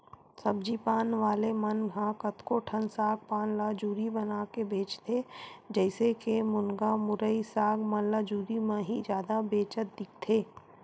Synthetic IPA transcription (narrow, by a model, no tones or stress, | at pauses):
sɐbd͡ʒiːpaːnʋaːlemɐnɦãkət̪koʈʰənsaːɡ̚paːnlaːd͡ʒuːɾibənaːkebeːt͡ʃt̪ʰed͡ʒɛːsekemʊnɡamʊɾəisaːɡmɐnlad͡ʒuːɾimãɦid͡ʒjaːd̪abeːt͡ʃət̪̚d̪ɪk̚ʰt̪ʰeː